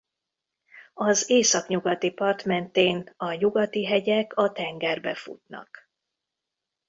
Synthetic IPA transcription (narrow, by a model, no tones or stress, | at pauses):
ɒzeːsɒkɲuɡɒt̪ipɒrt̪mɛnt̪eːnɒɲuɡɒt̪iɦɛɟɛkɒt̪ɛŋɡɛrbɛ̰fṵt̪nɒ̰k